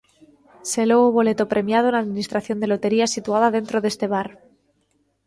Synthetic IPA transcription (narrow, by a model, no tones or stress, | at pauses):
se̞louβo̞le̞t̪o̞pɾe̞mjað̞oenaðminist̪ɾaθjo̞nd̪e̞lo̞t̪e̞ɾiasit̪uað̞að̞e̞nt̪ɾo̞ðe̞st̪e̞β̞aɾ